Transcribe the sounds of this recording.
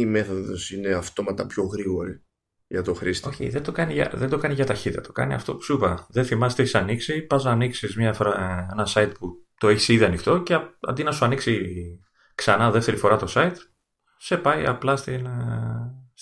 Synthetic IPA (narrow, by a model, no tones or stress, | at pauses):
ime̞θo̞ðo̞̰sine̞ɐft̪o̞mɐt̪ɐpço̞ɣɾiɣo̞ɾi | ʝɐt̪o̞xɾist̪oçḭðend̪okɐniʝɐ̰ðed̪o̞kɐniʝɐt̪ɐçit̪ɐt̪o̥kɐ̰niɐ̰ft̪o̞psupɐðeθimɐst̪eçisɐniksipɐznɐːniksizmɲɐfoɾɐenɐsɐit̪̚put̪o̞eçi̥siðiɐnixt̪o̞ce̞ɐ̰nd̪inɐsuɐniksi | ksɐnɐðe̞ft̪e̞ɾifo̞ɾɐt̪o̞sɐit̪ | se̞pɐjɐ̰plɐst̪in